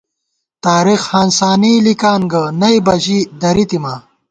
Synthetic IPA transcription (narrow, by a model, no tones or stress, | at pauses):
t̪aːɾixhaːnsaːniːlikaːnɡɐnɐibɐʑid̪ɐɾit̪imaː